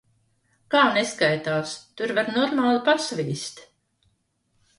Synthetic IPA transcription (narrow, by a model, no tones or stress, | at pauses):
kaːneskajt̪aːst̪uɾvaɾnɔɾmaːlˠɨpasvʲiːsʲt̪